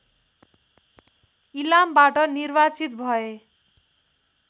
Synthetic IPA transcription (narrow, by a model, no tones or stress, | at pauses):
ilambaʈʌnirbat͡sit̪̚bʱʌe